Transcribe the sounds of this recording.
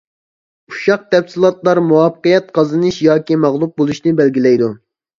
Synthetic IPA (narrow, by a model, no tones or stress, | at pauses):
uʃɑq̚t̪ɛpsilˠɑt̪lˠɑɾmuwɑpqəjɛt̪̚qʰɑzɨnɨʃjɑːkʲimɑʁlˠup̚bolˠuʃnɨbɛlɡʲilɛjd̪u